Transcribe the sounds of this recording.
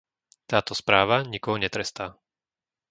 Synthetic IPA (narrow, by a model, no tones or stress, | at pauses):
t̪aːt̪ɔspɾaːʋaɲikɔɦɔɲɛt̪ɾɛst̪aː